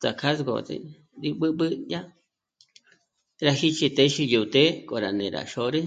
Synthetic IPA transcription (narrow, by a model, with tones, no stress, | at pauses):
t͡sa̰˨kʰa˦sɡo̰˨t̪ḛ˧ | ɾi˧ɓɨ˦ɓɨ˦ja˦ | ɾa˧hi˦t͡ʃi˧t̪e˧ʃi˧ju˨t̪e˦kʼo˨ɾa˨nḛ̃˨ɾa̰˨ʃo˧ɾe˦